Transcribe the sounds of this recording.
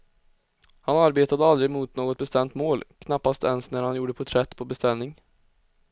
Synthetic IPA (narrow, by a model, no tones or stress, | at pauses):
hanaɾbeːt̪ad̪əald̪ɾɪmʊt̪noːɡɔt̪̚bɛst̪ɛmt̪moːlkʰnapːast̪ɛnsnæɾhanjuːɖəpʰɔt̪ʰɾɛt̪ːpʰɔbɛst̪ɛlnɪŋ